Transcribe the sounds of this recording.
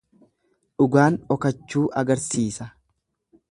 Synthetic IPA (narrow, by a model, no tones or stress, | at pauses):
ᶑʊɡaːnɔkɐt͡ʃːuːʔɐɡɐɾsiːsɐ